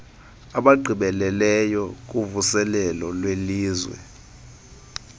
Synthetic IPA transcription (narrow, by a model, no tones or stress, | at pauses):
aɓaɡ͡ǃʱiɓɛlɛlɛjɔk̬ʼuvusɛlɛlɔlweliːzwɛ̰